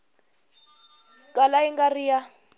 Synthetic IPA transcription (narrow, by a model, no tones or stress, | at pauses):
kʼalaiŋɡarija